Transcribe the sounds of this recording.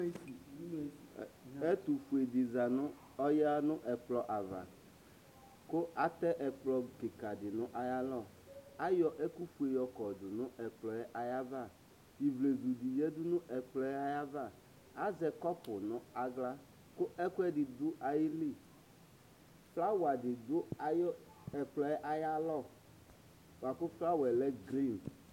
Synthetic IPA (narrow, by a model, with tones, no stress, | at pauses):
ɛ˦t̪u˨fu˨e˨dɪ˨za˨nʊ̃˦ | ɔ˦jɛ˦a˦nʊ̃˦ʔɛ˨k͡plɔ˦ʔa˨va̰˨ | kʊ˦ʔa˨t̪ɛ˦ʔɛ˨k͡plɔ˦kɪ˨ka˨dɪ˨nʊ̃˦ʔa˨ja˦lɔ˦˨ | a˦jɔ˦ʔɛ˦ku˦fu˨˦e˨jɔ˨kɔ˨dʊ˨nʊ̃˦ʔɛ˨k͡plɔ˨˦jɛ˦ʔa˨ja˦va˦˨ | i˨vle˨zu˨di˨jɛ˦dʊ˦nʊ̃˦ʔɛ˨k͡plɔ˦ɛ˦a˦ja˦va˦˨ | a˦zɛ˨kɔ˦pʊ˨nʊ˦a˦ɡla˦ | kʊ˦ʔɛ˦kʷɛ˦dɪ˨dʊ˦ʔa˨ji˦li˦˨ | fla˦wa˨dɪ˨dʊ˦a˨jɔ˦ | ɛ˨k͡plɔ˨˦ɛ˦ʔa˦ja˦lɔ˦˨ | wa˨kʊ˦fla˦wɛ˨lɛ˦ɡɾi˦˨n